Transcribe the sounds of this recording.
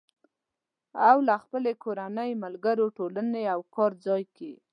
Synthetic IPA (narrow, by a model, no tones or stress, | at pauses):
awlaxpəlekoɾanəjmalɡaɾoʈolaneawkɑɾd͡zɑjke